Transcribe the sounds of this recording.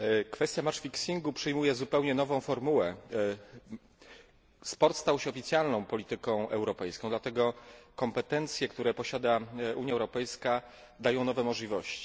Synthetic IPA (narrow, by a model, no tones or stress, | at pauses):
kfɛst̪jamaʂfʲiksʲiŋɡupʂɘjmujɛzupɛwɲɛnɔvɔ̃w̃fɔɾmuwɛ | spɔɾt̪st̪awɕɛɔfʲit̪sʲjalnɔ̃w̃pɔlʲit̪ɘkɔ̃w̃ʔɛwɾɔpɛjskɔ̃d̪lat̪ɛɡɔkɔmpɛt̪ɛnt̪sʲjɛkt̪uɾɛpɔɕad̪aʔuɲjaɛwɾɔpɛjska | d̪ajɔ̃w̃nɔvɛmɔʐlʲivɔɕt͡ɕi̥